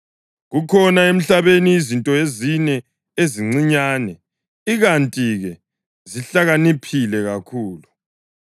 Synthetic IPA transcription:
ɣukʰɔnaem̩ɬaβeniːzintʼɔezinɛ | eziŋ͡ǀiɲaːnɛ | iɣantʼiɣɛ | ziɬaɣanipʰilɛɣakʰuːlu

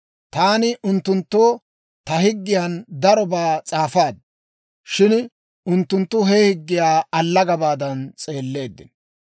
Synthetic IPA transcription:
t̪aːnɪʔʊnt̪ːʊnt̪ːoː | t̪ɐhɪɡːɪjɐnd̪ɐɾɔbaːt͡sʼaːfaːd̪ | ʃɪn | ʊnt̪ːʊnt̪ːʊɦɛhɪɡːɪjaːɐlːɐɡɐbaːd̪ɐnt͡sʼe̞ːlːe̞ːd̪ːɪ̰n

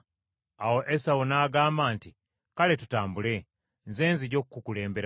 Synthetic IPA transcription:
awo̞ʔesawonaːɡaːmbaːnti | kale̞tutaːmbule̞ | nzeːnziɟo̞kkːukule̞ːmbe̞ɾa

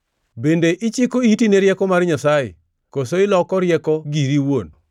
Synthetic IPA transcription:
bendeʔɪt͡ʃɪkoitineɾjɛkɔmarɲasajḛ | kosoɪlɔkɔɾjɛkɔɡiɾiwon

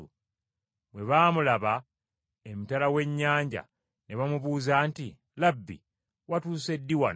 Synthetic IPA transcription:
u | βwe̞βaːmulaβa | emutalawe̞ɲːaːɲɟa̰ | neβamuβuːzaːnti | labːḭ | watuːse̞dːiwa

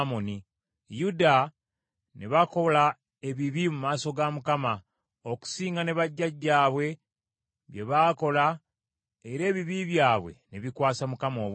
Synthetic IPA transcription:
moni | juda | ne̞βako̞la | e̞βiβimumaːso̞ɡamukama | oku̥siːŋɡane̞βaɟːaɟːaːβwe̞ | βje̞βaːko̞la | eɾe̞ːβiβiβjaːβwe̞̰ne̞βikwaːsamukamo̞ːβw

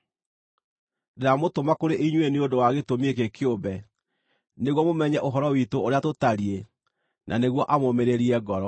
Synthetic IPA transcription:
deɾamotomakoɾeʔiɲweneodowaɣetomiek̬ekʰeobɛ | neɣwɔmomɛɲɛʔoɦɔɾɔwitoːɾeatotaɾie | nʔaneɣwɔʔamomeɾeɾiɛɡɔɾɔ

